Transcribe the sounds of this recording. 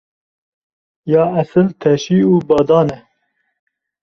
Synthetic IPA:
jɑːɛsəlt̪ʰɛʃiːuːbɑːd̪ɑːnɛ

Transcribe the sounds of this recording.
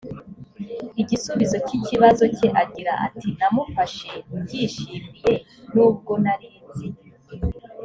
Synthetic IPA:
iɟisuβizo̞ciciβazo̞ceʔaɡiɾaʔa̰tinamufaʃe̞ubɟiːʃiːmiɾe̞ | nuːb̚ɡo̞naɾiːnze

